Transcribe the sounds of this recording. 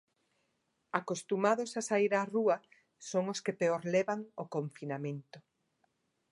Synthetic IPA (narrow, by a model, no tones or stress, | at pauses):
akost̪umaðosasaiɾaruɐ | soŋoskepeoɾlɛβaŋokoɱfinamẽnt̪ʊ